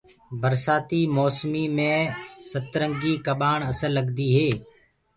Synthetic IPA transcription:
bəɾsaːt̪iːmoːsmiːmẽːsət̪ɾəŋɡiːkəɓaːɳəsəlːəɠd̪iːɦeː

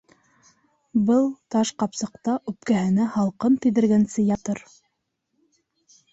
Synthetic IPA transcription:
bɤlˠt̪ɑʃqɑpsɤ̆q̚t̪ɑʔʉp̚kæɦɘ̆næhɑlˠqɤnt̪ĭðɘ̆ɾɡænsɘjɑt̪ɤɾ

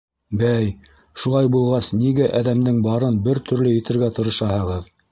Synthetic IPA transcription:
bæj | ʃulˠɑjbulˠʁɑsniɡæʔæðæmd̪ɘŋbɑɾɤnbɘɾt̪ʰɵ̆ɾlɘjɘ̆t̪ɘ̆ɾɡæt̪ŏɾɤ̆ʃɑhɤ̆ʁɤð

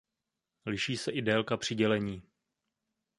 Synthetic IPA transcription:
lɪʃiːsɛʔɪdɛlkapr̝̥ɪɟɛlɛɲiː

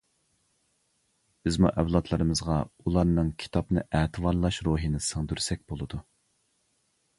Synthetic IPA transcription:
b̥ɪzmṵʔɛwlˠɑt̪ʰlˠɨɾɨmɨzʁɑulˠɑɾnɨŋkʲʰi̥t̪ʰɑpnɨʔæːt̪ʰɨwɑɾlˠɑʃɾoːɦinɨsɨŋd̪yɾsɛk̚ʲb̥olˠɨd̪u

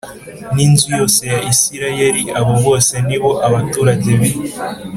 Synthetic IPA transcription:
ninzujo̞se̞jaʔisiɾajeɾiʔaβo̞βo̞ːse̞niβo̞ʔaβatuɾaɟeβi

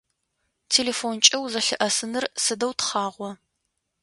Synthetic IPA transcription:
tʰeːlefoːnt͡ʃʼɐwzɐɬɨʔɐsɨnɨrsɨdɐwtχɑːʁʷɔ

